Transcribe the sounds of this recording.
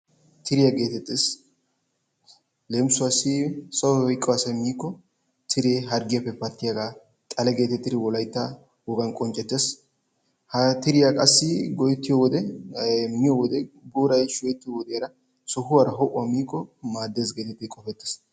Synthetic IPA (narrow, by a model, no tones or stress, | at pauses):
t̪ʰɪɾɪjaɡe̞ːt̪ɛt̪ːɪs | lemsʊasɪsɐwwɔjkʼːɔwasɐmiːkːɔ | t̪ʰɪɾeːɦɐɾɡɪjapːɛpɐt̪ːɪjaɡaː | tʼɐlɛɡe̞ːt̪ɛt̪ːɪɾɪwɔlɐjt̪ːɐ | wɔɡɐnkʼɔnt͡ʃʼɛt̪ːes | hɐt̪ɪɾɪjakʼɐsːɪɡɔjt̪ːɪjɔwɔd̪ɛ | mɪjɔwɔd̪ɛbuːɾɐjʃɔjɛt̪ːɪjɔwɔd̪ɛjaɾɐ | sɔhʊwaɾɐɦɔʔʊwamiːkːɔmaːd̪ːesɡe̞ːt̪ɛt̪ːɪkʼɔfɛt̪ːɪ̥s